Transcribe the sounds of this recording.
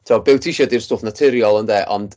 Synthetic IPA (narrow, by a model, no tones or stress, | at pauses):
tʰːɔbɪwtʰiʃɔdirstoːfnatʰɪɾjɔlˠəndɛːʔɔ̰nd̥